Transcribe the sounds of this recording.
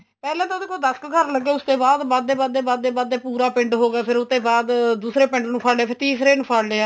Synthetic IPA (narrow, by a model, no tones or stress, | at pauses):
pɛːlɛ̃ːt̪ãd̪eːkoːd̪əskkəɾləɡːeːʊsd̪eːbaːd̪baːd̪eːbaːd̪eːbaːd̪eːbaːd̪eːpuːɾaːpɪ̃ɳɖɦoːɡaːpʰɪɾʊt̪ːeːbaːd̪d̪uːsɾeːpɪɳɖnũːpʰaːleːaːpʰɪɾt̪iːsɾeːnũːpʰaːɽleːaː